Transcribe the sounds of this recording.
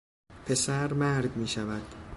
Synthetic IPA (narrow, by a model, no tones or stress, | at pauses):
pʰe̞sæɾmæɾd̪miːʃævæd̪̥